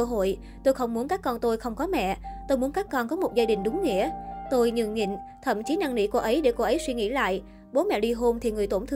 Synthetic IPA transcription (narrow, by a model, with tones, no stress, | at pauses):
ə˧ɦo̰˧˨j | t̪o˧jxə˧wŋ͡mmu˨˦ənkaː˦˥kːɔ˧nt̪o˧jxə˧wŋ͡mkɔ˨˦mɛ̰˧˨t̪o˧jmu˨˦ənkaː˦˥kːɔ˧nkɔ˨˦mo˨˩t̚zaː˧ɗï˨˩ŋ̟ɗʊ˨˦ŋ͡mŋḭ˧˥ət̪o˧jɲɨ̰˧˨˩ŋɲḭ˧˨ŋt̪ʰə̰˧˨mt͡ɕi˨˦na˧ŋnḭ˧˩ko˧ʔə˨˦jɗe˧˩ko˧ʔə˨˦jswi˧ŋḭ˧˥la̰ː˧˨j | ɓo˨˦mɛ̰˧˨ɗi˧ɦo˧mt̪ʰi˨˩ŋɨ˨˩əjt̪o˧˩nt̪ʰɨ˧